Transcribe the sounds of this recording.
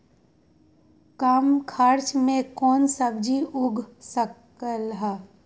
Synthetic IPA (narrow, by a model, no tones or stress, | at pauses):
kaːmkʰaːɾt͡ʃmẽkɔːnsəbd͡ʒiʊɡʱsək | əlɦɛː